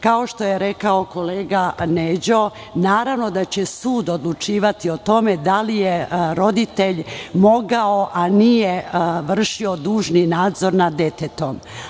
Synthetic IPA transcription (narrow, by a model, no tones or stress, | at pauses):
kaoʃt̪o̞jeɾekaoko̞leːɡaned͡ʑo̞ | naːɾaʋno̞d̪at͡ɕesuːd̪o̞d̪lˠut͡ʃiːʋat̪io̞t̪o̞me̞d̪alijeɾo̞d̪it̪eʎmo̞ɡaoʔanijeʋr̩ʃio̞d̪uːʒninaːd̪zo̞ɾnad̪et̪et̪om